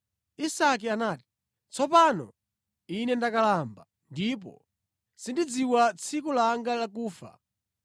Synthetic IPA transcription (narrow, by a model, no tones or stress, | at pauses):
isak̬ianaːti̥ | t͡sʰɔp̬anɔ̰ | inɛndakalamba | ndip̬ɔ̰ | sindid͡ziwat͡sʰikulaŋɡalakuːfa̰